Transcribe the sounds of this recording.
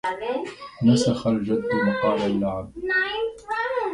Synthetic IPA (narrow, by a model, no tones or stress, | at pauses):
nasaxald͡ʒad̪ːmʊqɑːbalːaʕab